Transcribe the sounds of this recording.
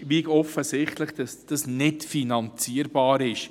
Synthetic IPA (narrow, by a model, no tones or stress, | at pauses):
ʋikɔfəsɪχtləχd̥ɑsd̥ɑsnɪtfinɑnt͡siəɾbɑːɾɪʃ